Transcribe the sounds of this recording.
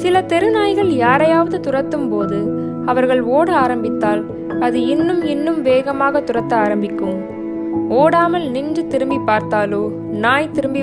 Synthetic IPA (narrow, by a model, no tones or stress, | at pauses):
sɪlɐt̪ɛɾɯnaːjɣɐɭjaːɾɐjaːʋɐðɯt̪ʊɾɐt̪ːɯmpoːðɯ | ɐʋɐɾɣɐɭoːɽɯaːɾɐmbɪt̪ːaːl | ɐðɯɪnːɯmɪnːɯmʋeːɣɐmaːɣɐt̪ʊɾɐt̪ːɐaːɾɐmbɪkːɯm | oːɽaːmɐlnɪndrɯt̪ɪɾɯmbipːaːɾt̪aːloː | naːjt̪ɪɾɯmbi